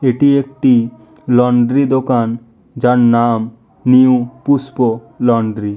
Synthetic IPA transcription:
eʈiek̚ʈi | lɔɳɖɾid̪okan | d͡ʒannam | niũpuspo | lɔɳɖɾi

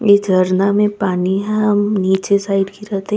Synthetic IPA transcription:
jed͡ʒʱɐɾnamẽpaːniɦɛ̃ɦɐmniːt͡ʃesaːɪɖkiɾɛɦt̪eɦ

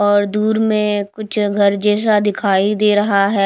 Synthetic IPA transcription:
ɔːɾd̪uːɾmẽkʊt͡ʃʰɡʱɐɾd͡ʒɛːs̬ad̪ɪkʰaːid̪eːɾɐɦaɦɛː

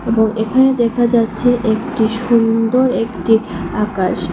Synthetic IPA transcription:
eboŋekʰaned̪ɛkʰad͡ʑatːɕʰeʔekʈiʃund̪oɾekʈiakaʃ

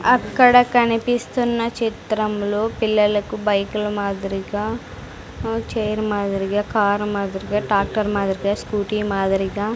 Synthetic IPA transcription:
ɐkːɐɽɐkɐnipist̪unːɐt͡ʃit̪ɾɐmloːpilːɐlɐkubɐjkulɐmaːd̪ɐɾiɡaː | t͡ʃejɾmaːd̪ɐɾiɡaːkaːɾmaːd̪ɐɾiɡaːɖaːk̚ʈɐɾmaːd̪ɐɾiɡaːskuːʈiːmaːd̪ɐɾiɡaː

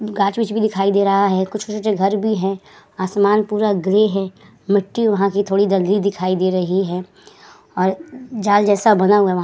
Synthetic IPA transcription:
ɡaːt͡ʃbit͡ʃbʱid̪ɪkʰaːid̪eːɾɐɦaɦɛkʊt͡ʃʰʊt͡ʃʰot͡ʃeɡʱɐɾbʱiɦɛ̃ | aːsmaːnpuːɾaɡleɦɛː | mɪʈːiʋɐɦãkit̪ʰoːɽid̪ɐlɡlid̪ɪkʰaːid̪eːɾɐɦiɦɛː | ɔːɾd͡ʒaːld͡ʒɛːsabɐnaɦuaʋɐ

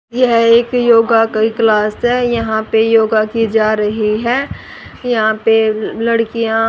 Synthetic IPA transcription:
jɛɦeːkjoːɡakiklaːsɦɛjɐɦãpejoːɡakid͡ʒaːɾɐɦiɦɛː | jɐɦãpelɐɽkijã

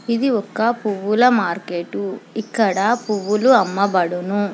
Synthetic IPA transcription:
id̪iɔkːɐpuʋːulɐmaːɾkeːʈuikːɐɽɐpuʋːuluɐmːɐbɐɽunu

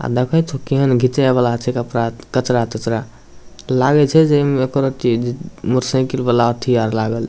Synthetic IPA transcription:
a̰d̪ekʰət͡ʃʰokiɦənɡʱit̪ebəlat͡ʃʰikəpɾakət͡ʃɾat̪ət͡ʃɾa | laɡɛt͡ʃʰɛd͡ʒemekoɾət̪id͡ʒmuɾsə̃kilbəlaət̪ʰijaɾlaɡəl

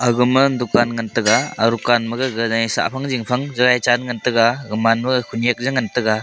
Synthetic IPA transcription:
aɡɯmɯndukanŋɯntɯɡaːɾukanmɯɡɯɡɯnajsa̰ʔpʰaŋziŋpʰaŋzɯɡajt͡ʃanŋɯntɯɡaɡɯmanmɯkʰunijak̚zɯŋantɯɡa

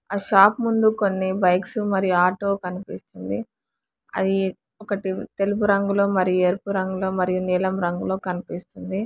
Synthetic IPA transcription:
aːʃaːpmund̪uko̞nːibɐjksumɐɾijuaːʈoːkɐnipist̪und̪i | ɐ̰d̪i | ɔkɐʈit̪e̞lup̬uɾɐŋɡuloːmɐɾijueːɾpuɾɐŋɡulo̞ːmɐɾijuniːlɐmɾɐŋɡuloːkɐnipist̪und̪i

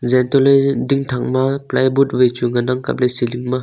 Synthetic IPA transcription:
zɛntɔlejdiŋtʰaŋmaplajbut̚vɯjt͡ʃuŋanaŋka̰p̚lejsiliŋma

